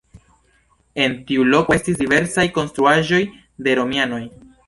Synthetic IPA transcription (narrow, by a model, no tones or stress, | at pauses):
e̞ntiulo̞koe̞stisdive̞ɾsajko̞nstɾuaʒo̞j | de̞ɾo̞miano̞j